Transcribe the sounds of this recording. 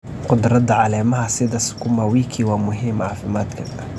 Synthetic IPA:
qʊd̪rɐd̪ɐʕɑlɛːmɐɦɐsɪðɐskʰʊmaːwiːkʰiwɑːmʊɦiːmʕɑːfɪmaːd̪kʰɐɐ

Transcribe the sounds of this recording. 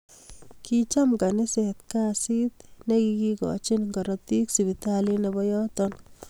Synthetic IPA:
kit͡ʃamkanɪsɛt̪kasit̪nekikikɔ̰t͡ʃinŋɡɔɾɔp̚t̪iksibitalinebɔjɔtɔn

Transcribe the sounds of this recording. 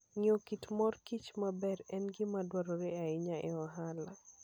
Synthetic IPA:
ŋiokitmɔrkit͡ʃmabɛɾɛnɡɪmadwaɾɔɾeaɪɲaʔɛɔɦala

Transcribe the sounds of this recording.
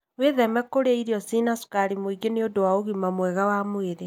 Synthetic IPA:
weðɛmɛkoɾeaiɾiɔsinasu̥kaɾimoiɡeneodowaoɣimamwɛɣawamoeɾe

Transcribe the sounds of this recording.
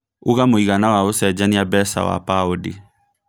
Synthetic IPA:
oɣamoiɣanawaosɛd͡ʒaniabɛsa̰wa̰paodi

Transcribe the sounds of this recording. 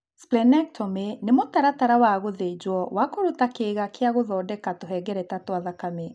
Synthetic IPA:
splɛnɛk̚tʰɔmenemotaɾataɾawaɣoðed͡ʒwɔwakoɾutakeɣakeaɣoðɔːdɛkatoɦɛɡɛɾɛtatwaðakame

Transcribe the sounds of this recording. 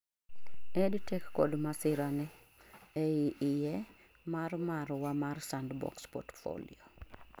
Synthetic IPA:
ɛdtɛkːɔdmasɪɾanɛ | ɛiʔɪjɛ | marmaɾwamarsandbɔ̰kspɔ̰tfo̰lḭo

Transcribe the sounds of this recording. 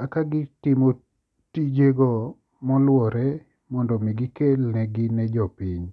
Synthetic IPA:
akaɡɪtɪmo | tid͡ʒeɡɔ | mɔlwɔɾɛ | mɔndɔmiɡɪkelnɛɡɪnɛd͡ʒɔpiɲ

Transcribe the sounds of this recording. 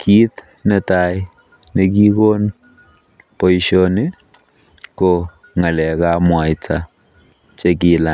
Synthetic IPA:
kʰiːt̪ | nɛtaj | nek̬iːkoːn | pojʃoni | ko | ŋalɛkamwajt͡sa | t͡ʃek̬ila

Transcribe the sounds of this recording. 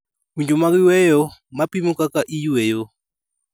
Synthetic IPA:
kuɲd͡ʒɔmaɣiwɛjɔmapimukakaʔijuɛjɔ

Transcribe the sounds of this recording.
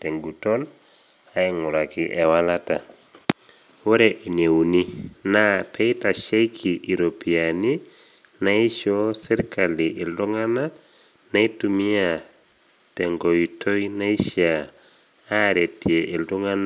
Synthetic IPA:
teŋɡutol | aiŋuɾakiʔewalata̰ | wuɾeʔinewuninapejtaʃekʰiʔiɾopiani | najiʃoseɾkaliʔilduŋana | naitumia | teŋɡojitojnaiʃiaː | ɾetieʔilduŋan

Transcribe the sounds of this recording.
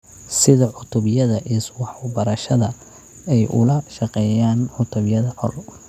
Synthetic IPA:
sɪðɐʕʊt̪ʰʊβɪjɐðɐʔiswɑħwɑbɐɾɐʃɐðɐ | ɛjʔʊ̰lɐʃɑqɛːjaːnʕʊt̪ʰʊβɪjɐðɐhɔ̰l

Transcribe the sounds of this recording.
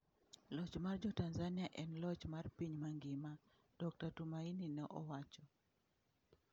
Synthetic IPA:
lɔt͡ʃmard͡ʒɔtanzanɪjaʔɛnlɔt͡ʃmarpiɲmaŋɡɪma | d̥ɔk̚tatumaininɛʔɔwat͡ʃɔ

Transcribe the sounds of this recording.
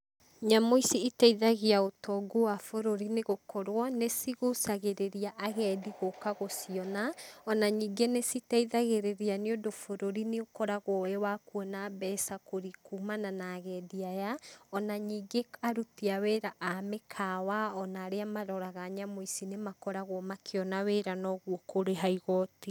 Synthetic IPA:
ɲamoisiitɛiðaɣeaotʰɔɡowafoɾoɾineɣokʰɔɾwɔnesiɣosaɣeɾeɾiaʔaɣɛːdiɣokaɣosiɔnaɔnaɲiːɡenesitɛiðaɣeɾeɾianeodofoɾoɾineokɔɾaɣɔɛwakwɔnabɛsakoɾikumananaːɣɛdiajaɔnaɲiːɡeaɾutiaweːɾaʔamekʰawaɔnaːɾeamaɾɔɾaɣaɲamoisinemakɔɾaɣwɔmakʰeɔnaweːɾanɔɣwɔkoɾeɦaiɣɔti

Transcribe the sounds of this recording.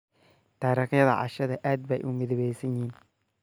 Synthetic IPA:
t̪aːɾɐxjɐðɐ̰ʕɑ̰ʃɐðɐʔaːd̪̚bɛjʔʊmɪðɛβɛjsɐjiːn

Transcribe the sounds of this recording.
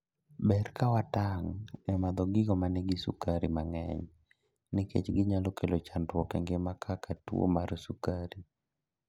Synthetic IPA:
bɛrkawataŋɛmad̪ɔɡɪɡɔmanɪɡɪsṵkaɾimaŋɛ̰ɲ | nɪkḛt͡ʃɡɪɲalokʰelot͡ʃandwɔkɛŋɡemakʰakatṵo̰marsukaɾi

